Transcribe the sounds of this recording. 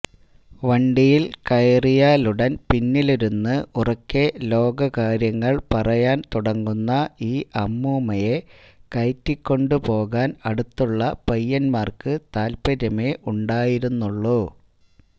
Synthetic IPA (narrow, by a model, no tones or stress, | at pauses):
ʋɐɳɖijilkɐjrijaːluɽɐnpinːiliɾunːɨurɐkːe̞lo̞ːɡɐkaːɾjɐŋːɐɭpɐrɐjaːnt̪uɽɐŋːunːɐiːʔɐmːuːmɐje̞ | kɐjtːikʲːo̞ɳɖɨpo̞ːɣaːnɐɽut̪ːuɭːɐpɐjːɐnmaːrkɨt̪aːlpɐɾɐme̞ʔuɳɖaːjiɾunːuɭːu